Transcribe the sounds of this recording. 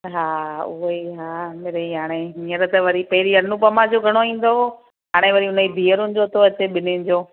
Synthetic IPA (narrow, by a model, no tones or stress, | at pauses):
ɦaːʊɦiɦaːmeːɾeiɦaːɽ̃emiəɾət̪əʋɐɾipɐɦɪɾiɐnũpɐmad͡ʑoɡʱɐɽ̃oĩːn̆d̪o | ɦaːɽ̃eʋɐɾiɦʊnəid̪ʱiːəɾʊnɪ̆d͡ʑoːt̪ʰoɐt͡ɕeɓɪnɪnɪ̆d͡ʑoː